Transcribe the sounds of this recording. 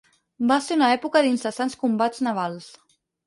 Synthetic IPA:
baseɾunəɛpukəðinsəsanskumbad͡znaβ̞alˠs

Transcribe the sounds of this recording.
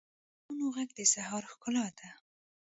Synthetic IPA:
unoɣaɡ̚d̪əsahɑɾxkʊlɑd̪a

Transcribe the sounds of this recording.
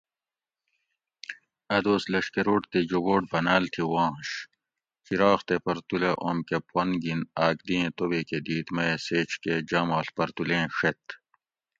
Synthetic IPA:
ɐd̪oːslɐʂkeɾoːʈt̪ed͡ʒoboːʈ̚bɐnaːlt̪ʰiwãːɕ | kiɾaːxt̪epɐɾt̪uleʔoːmkepwɐnɡinaːk̚d̪iẽt̪obeked̪iːt̪mɐjeseːt͡ɕʰked͡ʑɐːmaːɬpɐɾt̪ulẽːʂet̪

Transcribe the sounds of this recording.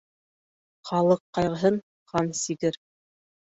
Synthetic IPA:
χɑlˠɤqːɑjʁɤ̆ɦɤn | χɑnsiɡɘɾ

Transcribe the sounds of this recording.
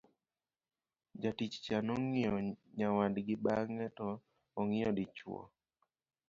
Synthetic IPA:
d͡ʒatit͡ʃt͡ʃanɔŋɪjɔɲawadɡɪbaŋɛtɔː | ŋɪɔdɪt͡ʃwɔ̰

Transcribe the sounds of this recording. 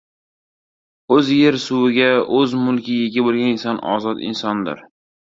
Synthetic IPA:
ɵzje̞ɾsʊwɪɡʲaɵzmʊlˠkʲɪjeɡʲabolˠɡʲanɪnsɒnɒ̰zɒt̪ɪ̰nsɒnd̪ɪ̰ɾ

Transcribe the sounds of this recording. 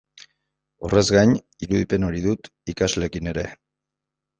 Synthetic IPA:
ore̞zɣajɲ | iɾuðipe̞no̞ɾiðut̪ | ikazle̞kine̞ɾe̞

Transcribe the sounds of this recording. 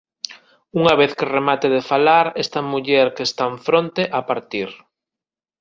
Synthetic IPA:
uŋɐβ̞eθkeremat̪eðefalaɾest̪ɐmuʎɛɾkest̪aɱfɾont̪eʔapaɾt̪iɾ

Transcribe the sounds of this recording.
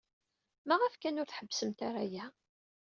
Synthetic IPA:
mæʁəfkænʊɾθħəbːsəmt̪aɾajæ

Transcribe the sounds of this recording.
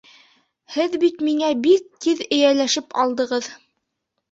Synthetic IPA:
hɘðbit̪miŋæbik̚t̪iðɘ̆jælæʃɘpɑlˠd̪ɤ̆ʁɤð

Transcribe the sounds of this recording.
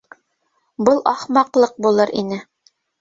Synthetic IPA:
bɤlˠɑχmɑqlˠɤq̚bulˠɤɾʔinɘ

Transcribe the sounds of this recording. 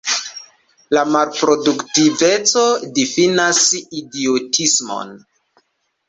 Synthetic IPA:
lamalpɾo̞duktive̞t͡so̞difinasidiotʰismo̞̰n

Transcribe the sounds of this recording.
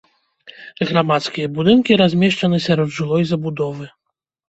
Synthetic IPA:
ɣɾamat̪skʲijɐbud̪ɨnkʲiɾazʲmʲɛʂt͡ʂɐnɨsʲaɾɔd̪ʐɨlˠɔjzɐbud̪ɔvɨ

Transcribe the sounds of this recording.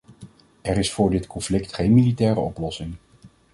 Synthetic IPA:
ɛɾɪsfʊːɹdɪtkɔnflɪktχejnmilitɛːɾəɔplɔsɪŋ

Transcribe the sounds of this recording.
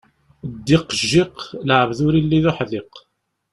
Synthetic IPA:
d̪ːɪqːʒːɪqlʕəvðʊɾilːiðʊħðɪq

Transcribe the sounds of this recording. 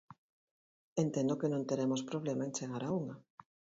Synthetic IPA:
ent̪ẽnd̪okenõnt̪eɾemospɾoβ̞lemaẽnt͡ʃeɣaɾauŋa

